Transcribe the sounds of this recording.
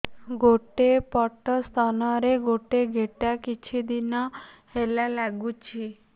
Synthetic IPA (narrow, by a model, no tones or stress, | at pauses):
ɡoʈepɔʈɔst̪ʰɔnɔɾeɡoʈeɡʱeʈakit͡ʃʰid̪inɔhelalaɡut͡ʃʰi